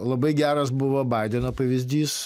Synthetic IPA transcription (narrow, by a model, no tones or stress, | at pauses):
lˠɐbɐɪɡʲæːɾɐsbʊʋobɑɪd̪ʲɛnoːpɐʋʲɪzʲd̪ʲiːs